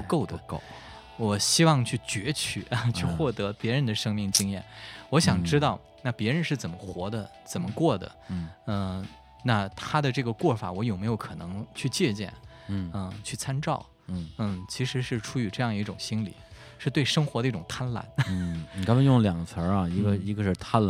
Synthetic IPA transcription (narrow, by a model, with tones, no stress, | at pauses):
pu˧˥ko˥˩ʊd̪ə˧˩˥ | wɔ˨˩ɕi˥wɑ˥˧ŋt͡ɕʰy˥˩t͡ɕɥɛ˧˥t͡ɕʰy˥˩˧t͡ɕʰy˥˧xwɔ˥˩t̪ɤ˧˥pjɛ˧˥ɻə˧˥nd̪ə˧ʂɤ˥ŋmi˥˩ŋt͡ɕi˥ŋjɛ˥˩nwɔ˧˥ɕjɑ˨˩ŋʈ͡ʂɻ̩˥t̪ɑ˥˩ʊ | na˥˩pjɛ˧˥ɻə˧˥nʂɻ̩˥˩t͡sə˨˩nmə˦xwɔ˧˥d̪ə˧t͡sə˨˩nmə˦kwɔ˥˩d̪ə̰˩˥˩ə˥˧ | na˥˩t̪ʰa˥d̪ə˨ʈ͡ʂɤ˥˩ɡə˩kwɔ˥˩fa̰˧˥wɔ˧˥jo˨˩ʊme˧˥ɪjo˧˥ʊkʰɤ˨˩nɤ˧˥ŋt͡ɕʰy˥˧t͡ɕjɛ˥˧t͡ɕjɛ̰˥˩n˥ | ə˥˧t͡ɕʰy˥˩t͡sʰa˥nʈ͡ʂɑ˥˩ʊ˩ | n̩˥˩t͡ɕʰi˧˥ʂɻ̩˧˥ʂɻ̩˥˩ʈ͡ʂʰu˥y˧˥ʈ͡ʂɤ˥˧jɑ˥˧d̪ə˧i˥˩ʈ͡ʂʊ˨˩ŋɕi˥nlḭ˨˩ | ʂɻ̩˥˧t̪we˥˩ɪʂɤ˥ŋxwɔ˧˥d̪ə˧i˥ʈ͡ʂʊ˨˩ŋt̪ʰa˥nla̰˧˥n̩˥˨ka˥pa˧˩jʊ˥˩ŋljɑ˨˩ŋɡə˦t͡sʰə˧˥ɐ˧i˧˥ɡə˧i˧˥ɡə˧ʂɻ̩˥˩t̪ʰa˥n˩